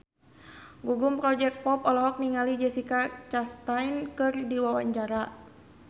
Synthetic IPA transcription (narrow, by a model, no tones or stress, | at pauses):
ɡuɡumpɾɔd͡ʒɛk̚pɔpɔlɔɦɔk̚niŋalid͡ʒɛsikat͡ʃast̪ajnkɨrdiwawaɲd͡ʒaɾa